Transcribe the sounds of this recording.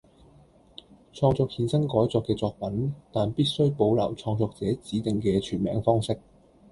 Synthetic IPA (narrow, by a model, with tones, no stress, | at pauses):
t͡ʃʰɔː˧ŋt͡sɔː˧k̚hiː˧nsɐ˥ŋkɔː˨˥jt͡sɔː˧kːɛː˧t͡sɔː˧k̚pɐ˨˥nt̪aː˨˩npiː˥t̚sɵ˥ɥpo˨˧wlɐ̰˨˩wt͡ʃʰɔː˧ŋt͡sɔː˧k̚t͡sɛː˨˥t͡siː˨˥t̪ɪ˨ŋkɛː˧t͡ʃʰyː˨˩nmɛː˨˥ŋfɔː˥ŋsɪ˥k̚